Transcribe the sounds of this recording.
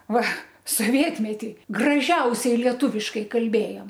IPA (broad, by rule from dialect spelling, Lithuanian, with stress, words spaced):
ˈʋɐ soːˈʋʲiɛtʲmʲɛtʲɪ ɡrɐˈʒʲɛʊsʲɛɪ lʲiɛˈtuːʋʲɪʃkɐɪ kɐlʲˈbʲeːjoːm